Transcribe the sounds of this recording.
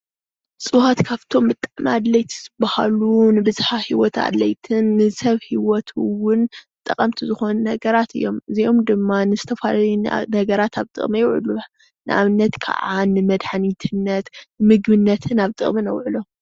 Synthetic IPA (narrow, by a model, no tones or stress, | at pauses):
sʼuhat̪kʰaβt̪ʰo̞mbɨt̪ʼːaʕnad̪lɐjt̪ʰi̥zɨbaha̰lunɨbɨzħahiwɔt̪a̰d̪lɐjt̪ʰɨnːɨsɐβhiwɔt̪ʰɨwʊnɨt̪ʼːɐ̰χʼɐmt̪ʰizɨxo̞nunɐɡɐɾat̪ʰɨ̰jːo̞mɨziʔo̞md̪ɨmːanɨzɨt̪ʰɐfalajunɐɡɐɾat̪ʰaβt̪ʼɨ̰χʼmɐjɛwʕɨ̰lu | nɨ̰ʔa̰βnːɐt̪kʰɐ̰ʕanɨmɐd̪ħanit̪ʰɨnːɐt̪nɨmɨɡbɨnːɐt̪ʰɨnaβt̪ʼɨ̰χʼmɨnɐwʕɨlo̞